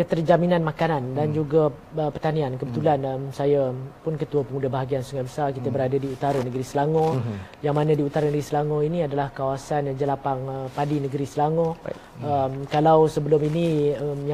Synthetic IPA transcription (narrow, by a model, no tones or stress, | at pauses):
kət̪ərd͡ʒaminãnmakanandand͡ʒuɡaəpərt̪aniankəbət̪ulanmsajapʊnkət̪uəpəmudabaɦaɡiansuŋajbəsarkit̪əbəɾadadiut̪aɾanəɡəɾisəlaŋɔ̃jaŋmanə̃diut̪aɾənəɡɾisəlaŋɔiniadalahkawasand͡ʒəlapaŋəpadinəɡəɾisəlaŋɔ̃ | əmkalawsəbəlʊminiəmja